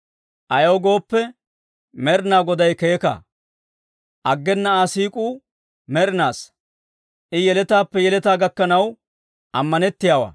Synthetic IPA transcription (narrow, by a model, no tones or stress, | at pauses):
ʔɐjoːɡo̞ːpːɛ | mɛɾnaːɡɔd̪ɐjkeːkɐ̰ | ʔɐɡːɛnːɐaːsiːkʼuː | mɛɾnaːs | ʔɪjɛlɛt̪aːpːɛjɛlɛt̪aːɡɐkːɐnɐw | ʔɐmːɐnɛt̪ːɪjaːwɐ̰ː